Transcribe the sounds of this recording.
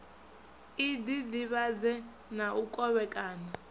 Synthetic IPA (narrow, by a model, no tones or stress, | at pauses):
idid̪iβad͡zɛ | naʔukʼɔβɛkʼaːna